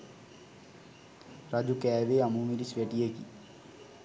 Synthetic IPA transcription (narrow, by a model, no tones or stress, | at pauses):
rɐd͡ʑukeːʋeɐmumiɾisʋeʈːijekːḭ